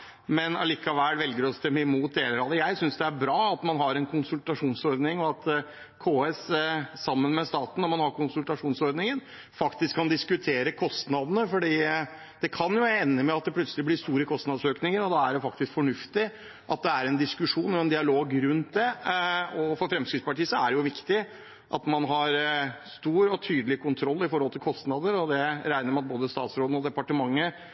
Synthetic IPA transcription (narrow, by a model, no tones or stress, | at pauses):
mɛnɑ̰liːkɑʋælʋɛlɡəɾɔst̪ɛmːəɪmuːt̪̚d̪eːləɾɑːd̪əjæɪsʏnsd̪ɛæɾbɾɑːɑt̪mɑnɦɑɾɛnkʰʊnsʉlt̪ɑʂuːnsɔɾd̪nɪŋɔɑt̪ | kʰoːɛssɑmːənmɛst̪ɑːt̪n̩ːɔmɑnhɑɾkʊnsʉlt̪ɑʂuːnsɔɾd̪nɪŋən | fɑkt̪ɪskʰːɑnd̪ɪskʉt̪ʰeːɾəkʰɔst̪nɑd̪ənəfɔɖiː | d̪̥ɛkʰɑnjʊɛnːəmɛɑt̪̚d̪ɛpʰlœt̪səlɪblɪst̪uːɾəkʰɔst̪nɑd̪søːknɪŋəɾɔd̪ɑæɖɛfɑkt̪ɪskfɔɳʉft̪ɪ | ʔɑ̰t̪̚d̪ɛæɾɛnd̪ɪskʉʂuːnɔɛnd̪ɪɑloːɡɾʉnt̪̚d̪ɛ | ɔfɔɾfɾɛmskɾɪt̪spɑʈiːsɔæɖɛjʊʋɪkt̪ɪ | ʔɑ̰t̪mɑnɦɑɾst̪uːɾɔt̪ʰyːd̪əlɪkʰʊnt̪ʰɾɔlːɪfɔɾhɔlt̪ʰɪlkʰɔst̪nɑd̪əɾɔd̪ɛɾæɪnəɾmɑnɑt̪boːd̪əst̪ɑ̰ːt̪sɾoːd̪̩ɔd̪ɛpɑʈəmɑŋːə